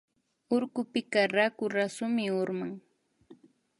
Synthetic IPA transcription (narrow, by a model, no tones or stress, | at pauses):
ʊɾkʊpɪkaɾakʊɾasʊmɪʊɾmaŋ